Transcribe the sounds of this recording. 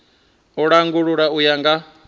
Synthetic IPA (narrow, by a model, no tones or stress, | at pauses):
uɺaŋɡuɺuɺaujaŋɡa